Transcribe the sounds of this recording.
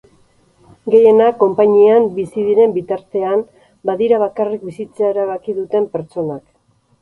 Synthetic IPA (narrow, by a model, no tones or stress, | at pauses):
ɡe̞je̞nako̞mpaɲiambisiðiɾe̞mbit̪aɾt̪e̞an | baðiɾaβ̞akarik̚bisit͡seaeɾaβ̞akiðut̪e̞mpe̞ɾt͡ʃo̞nak